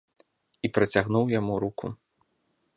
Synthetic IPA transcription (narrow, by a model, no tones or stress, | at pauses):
ipɾɐt͡sʲaɣnuwjamuɾukṵ